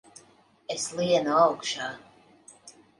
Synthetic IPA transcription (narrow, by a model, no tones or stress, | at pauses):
eslˠiɛnuawkʃaː